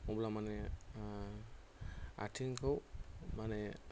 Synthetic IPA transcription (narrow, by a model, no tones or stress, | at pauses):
ɔblamanɛ | a̰tʰiŋkʰɔwmanɛ